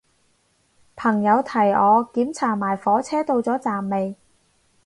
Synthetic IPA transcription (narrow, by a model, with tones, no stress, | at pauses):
pʰɐ˨˩ŋjɐ˨˧wt̪ʰɐ˨˩jɔː˨˧kiː˨˥mt͡sʰaː˨˩maː˨˩jfɔː˨˥t͡sʰɛː˥t̪o˧wt͡sɔː˨˥t͡saː˨˩mːe˨˧j